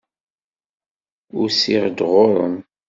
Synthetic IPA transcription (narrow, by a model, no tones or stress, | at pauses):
ʊɾsiʁd̪ʁʊɾˤə̰n